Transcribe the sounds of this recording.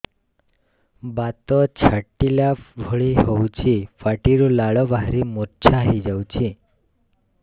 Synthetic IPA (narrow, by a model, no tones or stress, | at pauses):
bat̪ɔt͡ʃʰəʈːilabʱɔɭiɦɔut͡ʃʰifaʈiɾulaɭɔʋaɦɾimott͡ʃʰaɦid͡ʒawt͡ʃʰi